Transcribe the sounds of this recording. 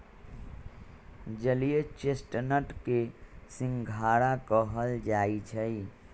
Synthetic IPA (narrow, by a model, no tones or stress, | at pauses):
d͡ʒəlijet͡ʃesʈnəʈkesĩŋɡʱaɽakəɦəld͡ʒait͡ʃʰəi